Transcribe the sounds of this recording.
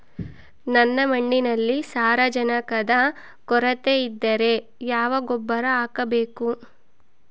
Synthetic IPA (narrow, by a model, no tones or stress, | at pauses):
nɐnːɐmɐɳːinɐlːisaːɾɐd͡ʒɐnɐkɐd̪ɐ | kɔɾɐt̪eid̪ːɐɾe̞ | jaːʋɐɡɔbːɐɾɐaːkɐbeːku